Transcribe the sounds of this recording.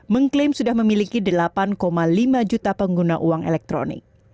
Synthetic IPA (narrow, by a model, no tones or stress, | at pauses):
məŋklɪmsudahməmilikidəlapankomalimad͡ʒut̪apəŋɡunaʔuwaŋɛ̰lɛk̚t̪ɾo̰nɪ̰k̚